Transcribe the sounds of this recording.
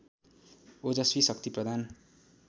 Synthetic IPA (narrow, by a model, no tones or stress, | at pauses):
od͡zʌswisʌk̚t̪iprʌd̪ʱan